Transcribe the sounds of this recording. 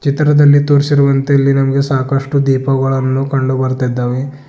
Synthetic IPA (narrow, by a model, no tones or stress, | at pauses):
t͡ʃit̪ɾɐd̪ɐlːit̪oːɾsiɾuʋɐnt̪eɐlːinɐmɐɡe̞saːkɐʂʈud̪iːpɐɡɐɭɐnːukɐɳɖubɐɾt̪id̪ːaːʋe